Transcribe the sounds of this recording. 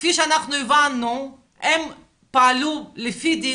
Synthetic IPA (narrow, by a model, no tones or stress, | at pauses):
fiʃanaχnuivanːu | ɛm | paalulefid̪i